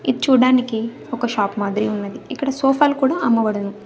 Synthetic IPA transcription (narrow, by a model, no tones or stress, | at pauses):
id̪it͡ʃuːɽaːniki | ɔkɐʃaːpmaːd̪ɾiunːɐd̪iikːɐɽɐsoːpʰaːlukuːɽaːɐmːɐbɐɽɐnu